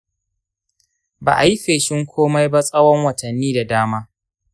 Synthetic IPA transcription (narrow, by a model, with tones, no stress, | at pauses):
ba̰ː˨ʔa˨ji˦ɸeː˨ʃɪ˦ŋkʷʰoː˦ma˦jba˦sʼɐ˦wɔ˦ŋwɐ˨tʰɐ˨nːiː˦da˨daː˦maː˦